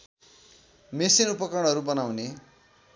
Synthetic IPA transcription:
mesinupʌkrʌɽ̃ɦʌɾubʌnawne

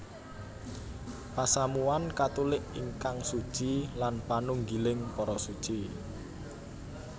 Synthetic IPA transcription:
pasamuankat̪ulɪʔiŋkaŋsud̥ʒ̥ilanpanuŋɡilɪŋpɔɾɔsud̥ʒ̥i

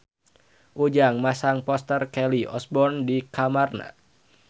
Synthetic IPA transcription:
ʔud͡ʒaŋmasaŋpɔst̪ərkɛliɔ̰sbɔrndikamarna̰

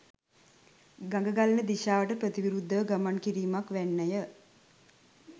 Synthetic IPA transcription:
ɡaŋɡəɡalənəd̪iʃaːʋəʈəpɾət̪iʋiɾud̪ʱːəʋəɡamankiɾiːmakʋænːəjə

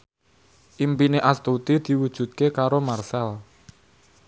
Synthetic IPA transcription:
ʔimpineʔast̪ut̪id̪̥i̤wud̥ʒ̥ṳt̪̚kekaɾomarsal

